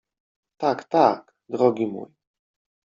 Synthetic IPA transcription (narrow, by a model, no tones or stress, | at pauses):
t̪akt̪ak | d̪ɾɔɡʲimṵj